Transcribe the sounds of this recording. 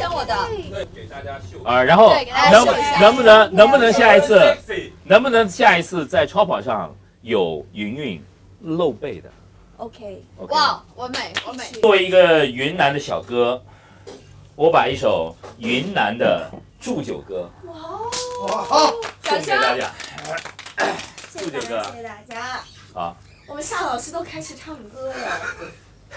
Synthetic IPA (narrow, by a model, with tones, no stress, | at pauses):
e˨˩a˥˧˩ə˧˩ɻa˧˥nxo˥˩ʊnɤ˧˥ŋnɤ˧˥ŋbu˥˩nɤ˧˥ŋnɤ˧˥ŋbu˧nɤ˧˥ŋɕja˥˩i˧˥t͡sʰɹ̩˥˩nɤ˧˥ŋbu˧˩nɤ˧˥ŋɕja˥˩i˧˥t͡sʰɹ̩˥˧t͡sa˥˩ɪʈ͡ʂʰɑ˥ʊpʰɑ˨˩ŋʂɑ˥˩ŋ | jo˨˩ʊy˧˥ny˥˧n | lo˥˧ʊpe˥˩ɪd̪ə̰˩ | o˧˩ | wɔ˥˩˥i˧˥ɡə˧y˧˥nna˧˥nd̪ə˧˩ɕjɑ̰˨˩ʊkɤ˥ | wɔ˧˥pa˨˩i˥˩ʂo˨˩ʊy˧˥nna˧˥nd̪ə˧ | ʈ͡ʂu˥˩t͡ɕjo˨˩ʊkɤ˥˧˥ | ɕʰa˥˧t̪a˥˧t͡ɕja̰˥˩˥ | ɕʈ͡ʂu˥˩t͡ɕjo˨˩ʊkɤ˥˧˩t̪a˥˩t͡ɕja˥ | xɑ˧˥˦ | wɔ˨˩mə˦nɕjɑ˥˩lɑ˨˩ʊʂʰɻ̩˥t̪o˥ʊkʰa˥ɪʂɻ̩˨˩ʈ͡ʂʰɑ˥˩ŋ˩kɤ˥lə˨˩